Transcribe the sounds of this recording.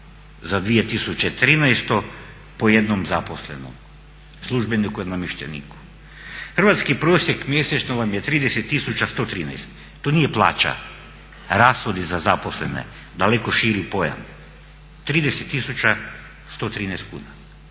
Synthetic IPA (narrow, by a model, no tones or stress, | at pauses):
zad̪ʋie̞t̪isut͡ɕet̪ɾiːnɛjst̪o̞ | poje̞d̪nomzaposlḛno̰m | slˠuʒbenikujed̪nomiʃt̪ḛnḭːku̥ | xr̩ʋat̪skipɾoːsjekmjeset͡ʃnoʋamjet̪ɾiːd̪eset̪ːisut͡ʃast̪o̞ːt̪ɾiːnɛ̰jst̪ː | onije̞plˠa̰ːt͡ʃa̰ | ɾaːsxod̪izazaposlḛnḛ | d̪alekoʃiɾipo̞ja̰m | t̪ɾiːd̪eset̪ːisut͡ɕa | st̪o̞t̪ɾiːnɛjst̪̚kṵːna